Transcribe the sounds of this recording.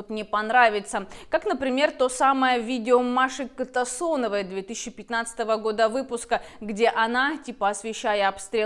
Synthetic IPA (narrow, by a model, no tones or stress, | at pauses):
ot̪nʲɪpɐnɾavʲɪt̪səkaknəpɾʲɪmʲe̞rt̪o̞saməjəvʲidʲɪomaʂɨkət̪ɐsonəvəjəd̪vʲe̞t̪ɨsʲt͡ɕːɪpʲɪt̪nat̪sə̥t̪əvəɡo̞d̪əvɨpʊskə | ɡdʲe̞ʔɐnatʲipəɐsvʲɪɕːæjəɐpst̪ɾʲe